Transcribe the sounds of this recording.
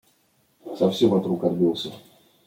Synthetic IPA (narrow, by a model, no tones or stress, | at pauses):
sɐfsʲemvɐt̪ɾukɐrbʲilˠsʲə